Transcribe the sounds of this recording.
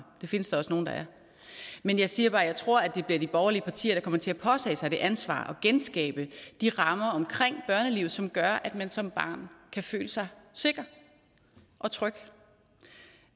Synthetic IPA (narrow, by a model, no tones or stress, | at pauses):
d̥e̝fe̝nəsd̥ɑ̈ɒ̽sno̝ːn̩d̥ɑ̈æɐ | menjɑ̈ɪsiːɐb̥ɑ̈ːjɑ̈ɪt͡sʰʁo̝ɐ̰æd̥e̝b̥liɐd̥ib̥ɒʊɐliəpʰɑ̈t͡sʰḭːɐɾ̥ɑ̈kʰɒ̽m̰ɐt͡sʰe̝æpʰɒ̽t͡sʰɛ̰ːɪsɑɪd̥e̝ʔænsʋɑ̰̈ːʔɒ̽ɡ̥ensɡ̥ɛ̰ːb̥əd̥iʁɑ̈mɐɒ̽mkʰʁeŋ̰b̥ɶɐnəliʊð̩ˠsɒ̽mɡ̥ɶɐʔæd̥mænsɒ̽mb̥ɑ̰̈ːnkʰæfø̰ːləsɑ̈ɪse̝ɡ̥ɐ | ʔɒ̽t͡sʰʁœɡ̥